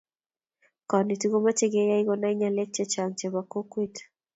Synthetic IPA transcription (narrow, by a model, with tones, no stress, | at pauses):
kɔ˨ni˨tiɡo˦ma˦t͡ʃe˦ɡe˦ja˦i˦ɣɔna˦i˦ɲa˨lɛ˦k̚t͡ʃɛ˦t͡ʃa˨ŋt͡ʃɛmako˦kwit